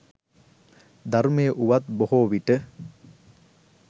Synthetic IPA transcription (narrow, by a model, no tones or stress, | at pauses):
d̪aɾmejəʔuʋat̪bohoːʋiʈə